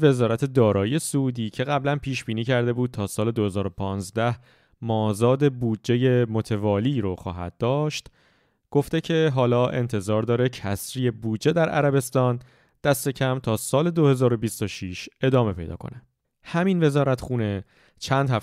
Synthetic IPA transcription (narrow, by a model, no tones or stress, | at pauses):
ve̞zɒːɾæt̪ʰe̞d̪ɒːɾɒːjije̞sud̪iːcʰe̞ɣæblænpʰiːʃb̥iːniːcʰæɾd̪e̞buːd̪̚t̪ʰɒːsɒːle̞d̪o̞he̞zɒːɾo̞pʰɒːnzd̪æh | mɒːzɒːd̪e̞buːdd͡ʒe̞je̞mot̪ʰe̞vɒːliːɾoxɒ̰ːɦæ̰d̪̚ːɒːʃt̪ | ɡ̥o̞ft̪e̞cʰe̞ɦɒːlɒːʔe̞nt̪ʰe̞zɒːɾd̪ɒːɾecʰæsɾiːe̞buːdd͡ʒːe̞d̪æɾʔæ̰ɾæbe̞st̪ɒːn | d̪̥æst̪e̞cʰæmt̪ʰɒːsɒːle̞d̪ohe̞zɒːɾo̞bist̪oʃiʃe̞d̪ɒːme̞pʰe̞jd̪ɒ̰ːkʰo̞̰ne | hæminve̞zɒːɾæt̪ʰxuːne̞ | t͡ʃʰænd̪hæf